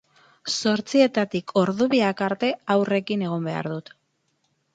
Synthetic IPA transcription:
so̞ɾt͡sie̞t̪at̪ikʰo̞ɾðuβiakaɾt̪e̞awre̞kine̞ɣ̞ombe̞a̰ɾðut̪

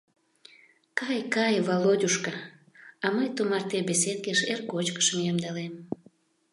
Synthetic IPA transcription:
kɑjkɑjβolodʲuʃkə | ɑməjt̪umɑrt̪ebes̬ed̪̚keʃerkot͡ɕkə̥ʃmijɑmd̪ɑlem

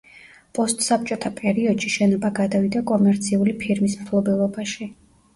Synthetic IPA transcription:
pʼɔst̪ʼsap̚t͡ʃʼɔt̪ʰapʼɛɾiɔd̪̥ʃiʃɛnɔbaɡad̪avid̪akʼɔmɛɾt̪sʰiulipʰiɾmismt̪ʰlˠɔbɛlˠɔbaʃi

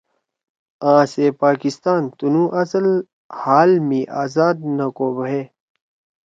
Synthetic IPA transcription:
ãːseːpaːkist̪aːnt̪unũːʔɐsəl | haːlmiːʔaːzaːd̪̚nɐkoːbɦeː

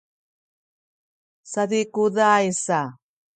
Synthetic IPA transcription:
sadikuðajsa

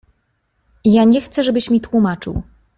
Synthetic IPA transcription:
jaɲɛxt̪sɛʐɛbɘɕmʲit̪wumat͡ʂɘ̰w

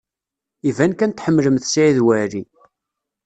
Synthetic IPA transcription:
ivænkænt̪ħəmːləmθsʕiðwæɾi

